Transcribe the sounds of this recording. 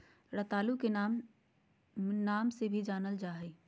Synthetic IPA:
ɾɐt̪aːlukenam | naːmsebʱid͡ʒaːnəld͡ʒaːɦeː

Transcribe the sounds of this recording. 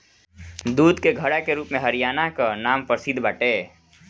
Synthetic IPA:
d̪uːd̪keɡʱəɽakeɾuːpmẽɦəɾijaːnakanaːmpəsɪd̪ʱbaːʈeː

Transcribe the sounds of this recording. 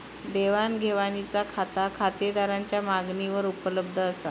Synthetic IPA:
d̪eʋanɡʱeʋanit͡sakʰat̪akʰat̪ed̪aɾaɲt͡ɕjamaɡniʋəɾupələb̚d̪ʱəːsa̰

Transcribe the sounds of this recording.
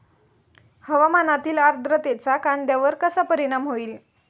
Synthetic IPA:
həʋamanat̪iːlaɾd̪ɾət̪et͡sakand̪jaʋəɾkəsapəɾiɽ̃amɦoiːl

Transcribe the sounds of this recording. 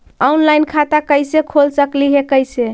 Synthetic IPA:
ɔunlajnkʰat̪akəɪsekʰolsəkliɦekəjse

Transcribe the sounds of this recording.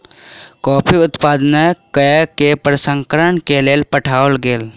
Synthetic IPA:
kɔːpʰiʊt̪paːd̪nɛkəkepɾəsə̃ŋkəɾəɳkeleːlpəʈʰaːolɡeːl

